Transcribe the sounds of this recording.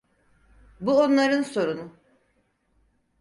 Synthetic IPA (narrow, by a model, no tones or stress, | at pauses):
buonlˠaɾɯnso̞ɾunu